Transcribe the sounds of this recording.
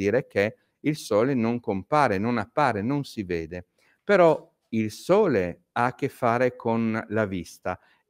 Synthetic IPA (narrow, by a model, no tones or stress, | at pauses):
iːɾeke | ilsɔːlenoŋkompaːɾenonapːaːɾenonsiveːd̪e | peɾɔ | ilsɔːle | akːefːaːɾekʰonlavist̪a